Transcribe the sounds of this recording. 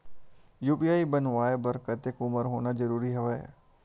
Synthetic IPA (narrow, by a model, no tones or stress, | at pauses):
juːpiaːibənʋaːebəɾkət̪ekʊməɾɦoːnazəɾuːɾiɦɐʋəe